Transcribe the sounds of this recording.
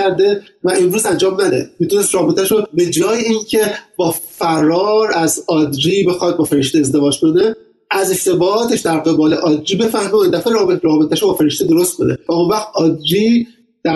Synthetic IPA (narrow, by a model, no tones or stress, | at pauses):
æɾd̪e̞ | væʔemɾuːzænd͡ʒɒːmnæd̪ḛmit̪une̞st̪ɾɒːbet̪ʰæʃobe̞d͡ʒɒːjeincʰe̞bɒːfæɾɒːɾæzɒːd̪d͡ʒiːbe̞xɒt̪̚bɒːfe̞ɾeʃt̪eːzd̪e̞vɒːd͡ʒkʰo̞ne̞ | æze̞ʃt̪ʰe̞bɒːɒːt̪ʰe̞ʃd̪æɾɣe̞bɒːle̞ʔɒːd̪d͡ʒiːbe̞fæhmeoind̪æfeɾɒbɾɒːbe̞t̪ʰæʃobɒːfe̞ɾeʃt̪ed̪o̞ɾost̪̚kʰo̞̰nevæonvæχt̪̚ɒːd̪d͡ʒi | d̪̥æ